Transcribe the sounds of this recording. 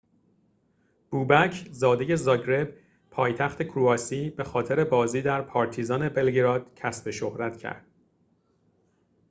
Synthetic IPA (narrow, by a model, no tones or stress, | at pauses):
b̥uːbæcʰzɒːd̪e̞je̞zɒːɟɾe̞b | pʰɒːjt̪ʰæxt̪ʰe̞kʰɾuɒːsiːbe̞xɒːt̪ʰe̞ɾe̞bɒːziːd̪æɾpʰɒːɾt̪ʰizɒːne̞be̞lɡɾɒːd̪̥cʰæsbe̞ʃohɾæt̪cʰæ̰ɾd̪̥